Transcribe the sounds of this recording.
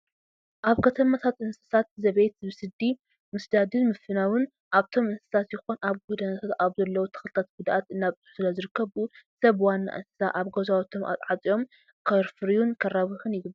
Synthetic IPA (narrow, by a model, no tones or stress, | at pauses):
ʔaβkʰɐt̪ʰɐmat̪ʰat̪ʔɨnsɨ̥sat̪zɐβejt̪bɨsɨd̪i | mɨsd̪ad̪ɨnmɨfɨnawɨn | ʔaβt̪ʰo̞mɨnsɨ̥sat̪jɪxonaβɡud̪ɐnɐt̪ʰat̪aβzɐlːɐwot̪ʰɐ̥xlɨt̪ʰat̪̚ɡud̪aʔat̪ɨnːaβʼɨ̥ħsɨlɐzɨɾɨkːɐβusɐβwanːa̰ʔɨ̰nsɨ̥sa̰ʔaβɡozawt̪ʰo̞mʔa̰t̪ʼʕat͡sʼijo̞m | kʰɐɾfɨɾijunkʰɐraβɨxɨnjɪɡɨbː